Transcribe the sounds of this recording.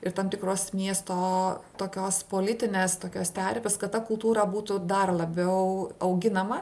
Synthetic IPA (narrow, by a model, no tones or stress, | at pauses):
ɪɾt̪ɐmt̪ʲɪkɾoːsmʲiɛst̪oːt̪oːkʲoːspoːlʲɪt̪ʲɪnʲeːst̪oːkʲoːst̪ʲæːɾʲpʲeskɐt̪t̪ɐkʊlˠt̪uːɾɐbuːt̪ʊd̪ɐrlˠɐbʲɛʊɐʊɡʲɪnɐmɐ